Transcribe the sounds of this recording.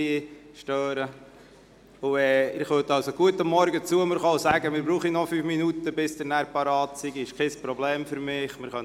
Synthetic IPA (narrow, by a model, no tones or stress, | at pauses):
iʃtøːɾə | uɛːɪχʋøtɑlsoɡ̥uətəmːɔɾɡət͡suəmɪɾχɑaʊsæːɡəmɪːɾbɾuːχinɔfyːfminutəbɪsd̥̪əɾnæːɾpɑɾɑːtsiɡiɪʃkχɛspɾɔbleːmfʏɾmɪːχmɪɾχœn